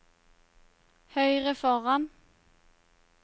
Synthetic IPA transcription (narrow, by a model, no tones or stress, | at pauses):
hœʏʁəfɔʁan